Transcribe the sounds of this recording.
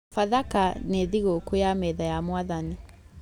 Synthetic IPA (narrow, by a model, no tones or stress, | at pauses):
faðakaneðiɣokojamɛðajamwaðani